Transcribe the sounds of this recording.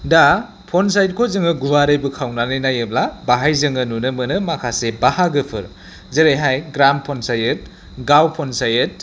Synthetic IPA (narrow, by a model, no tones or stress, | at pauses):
da | pʰonsajd̚kʰozɯŋɯɡuwaɾɯjbɯkʰawnanɯjnajeblabaɦajzɯŋɯnunɯmɯnɯmakʰasebahaɡɯpʰɯ̰ɾ | zeɾejɦajɡɾampʰonsajɯt̚ | ɡawpʰonsajɯt̚